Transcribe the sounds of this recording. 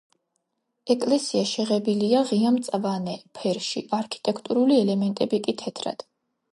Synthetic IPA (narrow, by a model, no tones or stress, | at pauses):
ɛkʼlɛsiaʃɛʁɛbiliaʁiamt̪sʼavanɛpʰɛɾʃḭaɾkʰi̥t̪ʼɛkʰt̪ʼuɾuliɛlɛmɛnt̪ʼɛbikʼit̪ʰɛt̪ʰɾa̰d̪̥